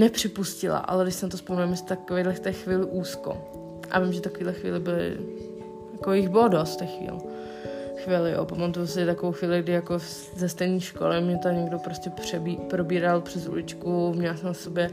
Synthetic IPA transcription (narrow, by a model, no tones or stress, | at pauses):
nɛpr̥ɪpuscɪla̰ʔa̰lɛdɪʃsɛnat̪ospominamɛst̪akovejdlɛft̪ɛːxviːlɪʔuːsko̰ | ʔa̰vɪmʒɛt̪akoviːdlɛxvḭːlɪbɪlɪ̰ | jakojɪɣbɪlodost̪t̪ɛxvḭːl | xviːlɪjo̰ːpamat̪ujos̬ɪɛt̪akovowxʋiːlɪɡdɪjako | zɛst̪ɛjniːʃko̰lɪmɲɛt̪oɲɛɡdopɾoscɛpr̝̥ɛbipɾobiːɾalpr̝̥ɛzṵlɪt͡ʃkumɲɛlasɛmasobjɛ